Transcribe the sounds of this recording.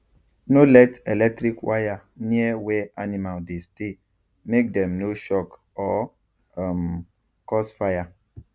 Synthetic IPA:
nolɛtelɛk̚tɾikwaja | niewɛanimaldeste | mek̚dɛmnoʃɔk | ɔ | m | kɔsfaja

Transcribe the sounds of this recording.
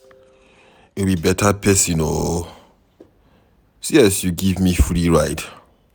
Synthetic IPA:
ibibɛtʰapʰɛsino | siɛsjuɡivmifɹiɹaɪt

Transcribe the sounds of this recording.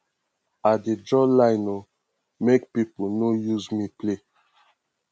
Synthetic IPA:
adedɹɔlaɪno | mekpiponojuzmiple

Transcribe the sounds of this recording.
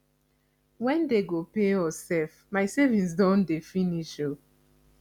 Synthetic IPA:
wɛ̃ndeɡopeɔsɛlf | maɪsevĩns̬dɔ̃ndefiniʃo

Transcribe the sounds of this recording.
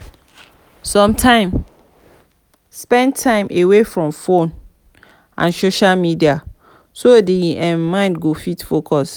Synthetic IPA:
sɔ̃mtʰãɪ̃m | spɛ̃ntʰãɪ̃mʔewefɹɔ̃mfõn | ʔã̰nsoʃalmidia | sodiɛ̃mãɪ̃ndɡofitfokʰɔs

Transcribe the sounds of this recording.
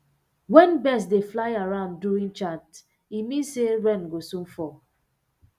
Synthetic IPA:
wɛ̃nbɛs̬deflaɪaɹãʊ̃ndduɹĩŋt͡ʃat | imĩnsewɛ̃nɡosũmfɔ

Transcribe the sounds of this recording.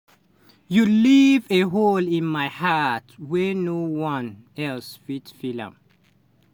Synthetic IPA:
juliveɦolĩnmaɪhatwɛnowãn | ɛlsfitfilã̰m

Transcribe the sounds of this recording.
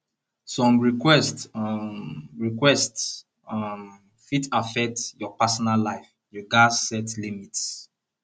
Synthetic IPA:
sɔ̃mɹikwɛst | ɹikwɛst | m | fitafɛk̚tjɔpasɔnalːaɪf | juɡasɛtlimits

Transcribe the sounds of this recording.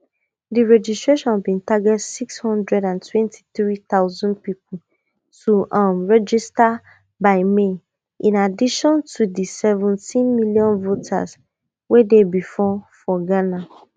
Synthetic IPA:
diɹɛd͡ʒistɹeʃɔ̃nbĩntaɡɛtsikshɔ̃ndɹɛdãntʰwɛ̃ntʰi̥θɹitaʊzɔ̃ndpip̚ʰul̩ | tʰuʔamɹɛd͡ʒista | baɪme | ʔĩnadiʃɔ̃ntʰudisɛvɔ̃ntĩnmiljɔ̃nvotʰa̰s | wedebifɔfɔɡana

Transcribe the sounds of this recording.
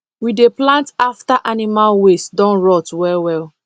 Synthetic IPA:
wideplãntaftaʔanimalwesdɔ̃nɹɔtwɛwɛl

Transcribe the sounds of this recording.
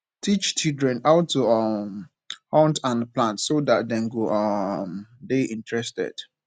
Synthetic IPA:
tʰit͡ʃt͡ʃildɹɛ̃naʊtʰːuʌm | hɔ̃ntãnplãntsodat̚dɛ̃nɡoʌmdeʔĩntʰɹɛstɛ̰d̥

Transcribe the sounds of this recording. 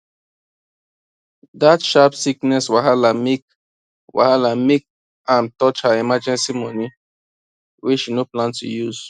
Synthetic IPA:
datʃapsiknɛswaɦalamik | wa̰halamik̚ | ãntɔt͡ʃaimad͡ʒɛ̃nsimɔni | wit͡ʃinoplãntṵjuz̥

